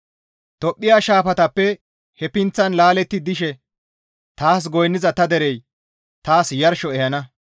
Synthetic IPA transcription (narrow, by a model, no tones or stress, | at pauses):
t̪ɔpʼːɪjaːʃaːfɐt̪ɐpːɛ | hɛpɪnt͡sːɐnlaːlɛt̪ːɪd̪ɪʃɛ | t̪aːs̬ɡɔjnːɪzɐt̪ɐd̪ɛɾɛj | t̪aːsjɐɾʃɔɛhɐnɐ